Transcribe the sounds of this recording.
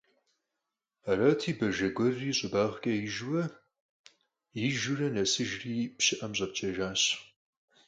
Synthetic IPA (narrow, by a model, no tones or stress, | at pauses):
aɾɐtʰiːbɐʒɐɡʷɔrːiːɕʼɪbaːʁkʼɐjɪʒwɐ | jiʒurɐnɐsɨʒriːpɕɪʔɐmɕʼɐp̚t͡ʃʼɐʒaːɕ